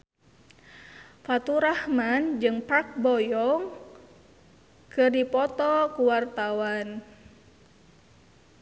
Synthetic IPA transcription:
fat̪uɾahmand͡ʒɨŋpak̚bɔjɔŋ | kɨrdipɔt̪ɔkuwart̪awan

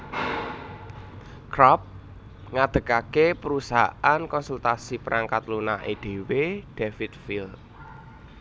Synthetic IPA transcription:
kɾɔp̚ | ŋad̪̥ə̤kakepəɾusaʔankɔnsult̪asipəɾʔaŋkat̪lunaʔed̪̥e̤wed̪̥efit̪̚fil

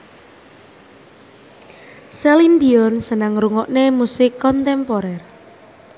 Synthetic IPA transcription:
sɛlind̪iɔnsənəŋɾuŋɔʔnemusɪkːɔnt̪ɛmpɔɾɛr

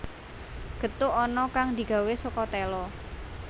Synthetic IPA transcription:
ɡ̥ə̤t̪ʊɔnɔkaŋd̪i̤ɡ̥a̤wesɔkɔt̪ɛlɔ

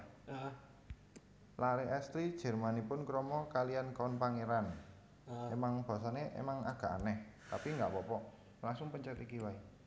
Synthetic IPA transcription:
laɾeɛst̪ɾid̥ʒ̥ə̤rmanipʊnkɾɔmɔkaliankaɔnpaŋeɾan | emaŋb̥a̤s̬aneʔḛmaŋa̰ɡ̥a̤a̰nɛht̪apiŋɡaʔpɔpɔ | laŋsʊŋpəɲt͡ʃɛt̪ikiwai

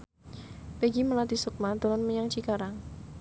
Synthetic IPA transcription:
peɡiməlat̪isuk̚mad̪əlɔnməɲaŋt͡ʃikaɾaŋ

